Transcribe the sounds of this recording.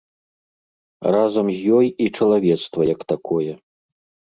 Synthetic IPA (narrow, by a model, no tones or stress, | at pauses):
razɐmzʲjɔjit͡ʂɐlˠavʲɛt̪st̪vɐjɐkt̪akʰɔjɛ